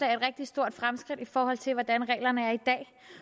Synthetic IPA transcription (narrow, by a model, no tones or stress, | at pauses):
lɛ̰ɪe̝̥ʁɛɡ̥̚d̥isd̥o̝ɐ̰d̥fʁamsɡ̥ʁid̥ifɒːhɒ̽l̰t͡sʰe̝ʋɒd̥ænʁɛ̰ːlɐnəæɐid̥ɛ̰ː